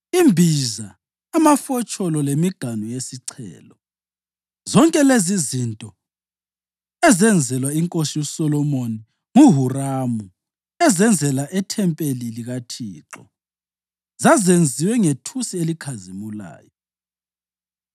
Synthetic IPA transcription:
imbʱizaː | mafɔt͡ʃʼɔlɔlemiɡ̥ʱanɔjesiǀʰɛ̰ːlɔ | zɔŋkʼɛlezizintʼɔ | ɛzɛnd͡zʱɛlwaiŋkʼosiusɔlɔmoni | ŋuɦuramu | ɛzɛnd͡zʱɛlaʔɛtʰɛmpʼeliliɣatʰiːǁɔ̰ | zazend͡zʱiwɛŋetʰusielikʰazimula̰ːjɔ

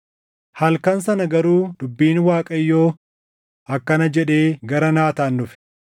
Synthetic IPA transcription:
hɐlkɐnsɐnɐɡɐɾuːd̪̥ʊbːiːnwaːkʼɐjːo̞ː | ʔɐkːɐnɐd͡ʒɛᶑe̞ːɡɐɾɐnaːt̪aːnːʊfɛ̥

